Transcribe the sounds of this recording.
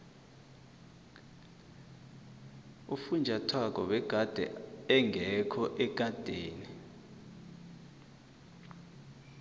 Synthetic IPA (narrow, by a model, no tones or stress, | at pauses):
ufund͡ʒʱatʰwak̬ɔwɛɡ̥ʱad̥ʱɛ̰ɛŋɛkʰɔʔɛɡ̥̬ʱʼad̥ʱeːni